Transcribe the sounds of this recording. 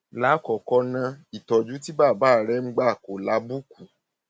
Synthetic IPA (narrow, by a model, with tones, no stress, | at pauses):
la˨˦kɔ˨kɔ˧˦nã˧i˨tɔ˨d͡ʒu˨˦ti˦ba˦˨ba˦˨ɾɛ˨˦ŋ͡m̩˦ɡ͡ba˦˨ko˨la˨˦bu˦ku˨